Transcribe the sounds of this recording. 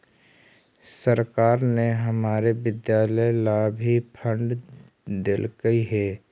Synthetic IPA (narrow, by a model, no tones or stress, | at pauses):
səɾkaːɾneɦɐmaːɾeʋɪd̪jaːləjlabʱipʰə̃ɳɖ | d̪ɪlkəiɦɛː